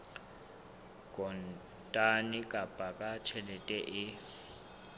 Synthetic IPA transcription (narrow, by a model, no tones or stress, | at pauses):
kʼɔn | tʼanɪkʼab̥ʱʼakʼat͡ʃʰɛlɛtʼɛʔɪ